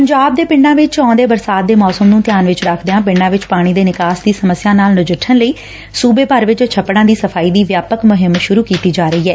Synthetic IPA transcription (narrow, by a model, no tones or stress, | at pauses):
pəɲd͡ʒaːb̚d̪eːpɪɳɖãːʋɪt͡ʃɔ̃ːd̪eːbəɾsaːt̪̚d̪eːmɔːsəmnũːt̪ɪjaːnʋɪt͡ʃɾəkʰd̪ejãːpɪɳɖãːʋɪt͡ʃpaːɽ̃iːd̪eːnɪkaːsd̪iːsəməsːjaːnaːlnʊd͡ʒɪʈʰːənləiː | suːbeːpəɾʋɪt͡ʃt͡ʃʰəpːɽãːd̪iːsəfʰaːiːd̪iːʋjaːpəkmʊɦɪmʃʊɾuːkiːt̪iːd͡ʒaːɾəiːɦɛː